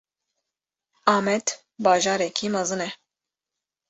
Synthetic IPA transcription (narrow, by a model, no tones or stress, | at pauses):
ɑːmɛd̪ | baːʒɑːɾɛkʰimɐzɨnɛ